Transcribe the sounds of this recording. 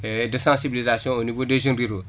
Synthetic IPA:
dəsãsibilizasjɔ̃onivodeʒĩɾiɾo

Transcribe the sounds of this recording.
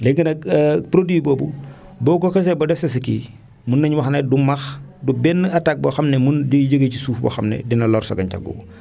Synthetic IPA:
lɛɡɐnɐk̚ːpɾodwibɔːbu | bɔːkɔkɐs̬ɛbɐdɛfsɐs̬iki | munːɐɲwɐxnɛdumɐx | dubɛnːɐtak̚bɔxɐmnɛmunɟəɟəɡəcisuːfbɐ̰xɐmnɛ̰dinɐlɔːɾsɐ̰ɡɐɲta̰ɡ̚ɡɔ̰b

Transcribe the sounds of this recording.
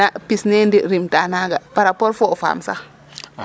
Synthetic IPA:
apisnendiɾimtanaɡapaɾapoɾfɔfa̰ːmsa̰

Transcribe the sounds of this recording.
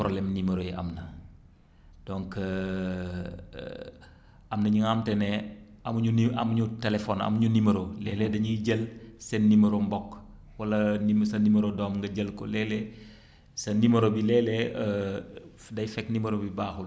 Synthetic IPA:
pɾolɛmnimɐɾojɛʔɐ̰mnɐ | d̥ɔŋk | ʔɐmnɐɲuŋamtɛnɛ | ɐmɲuɐ̰mɲutelefɔnɐ̰mɲunimɐɾolɛːlɛdɐɲuɟelsɛnːimɐɾombɔkː | wɐlɐnimsɐnimɐɾodɔːmŋɡɐɟəlko̰lɛːlɛ | sɐnimɐɾobilɛːlɛə | dɐjfɛknimɐɾobibaːxul

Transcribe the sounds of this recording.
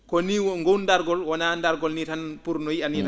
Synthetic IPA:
kɔniwŋɡowndaɾɡɔlwɔnandaɾɡɔlnitanpuɾnɔjianita

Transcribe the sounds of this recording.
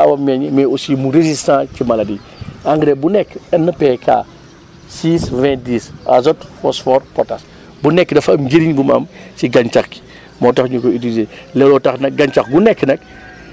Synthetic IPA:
a̰wɐmɛɲmɛusimuɾezistãːcimɐlɐdi | aŋɡɾɛbunɛkːɛnːəpɛkʰa̰ː | siːsvɛ̃diːsa̰zɔtfɔsfɔːɾpɔtas | bunɛkːdɐfɐmɟeɾiɲbumɐ̰msiɡɐɲt͡ʃɐxki̥ | mɔtɐxɲukɔyt̬ilizeːlɛlɔtɐxnɐk̚ɡɐɲt͡ʃɐxɡunɛkːnɐk̚

